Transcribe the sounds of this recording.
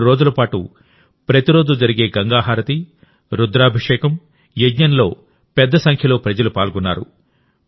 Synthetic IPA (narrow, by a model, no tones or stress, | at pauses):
ɾo̞ːd͡ʒulɐpaːʈṵ | pɾɐt̪iɾo̞ːd͡ʒud͡ʒɐɾiɡe̞ːɡɐŋɡaːɦaːɾɐt̪i | ɾud̪ɾaːbʱiʂɛːkɐm | jeɡɲɐnlo̞ː | pɛd̪ːɐsɐŋkʰjɐlo̞ːpɾɐd͡ʒɐlupaːlɡunːaːɾṵ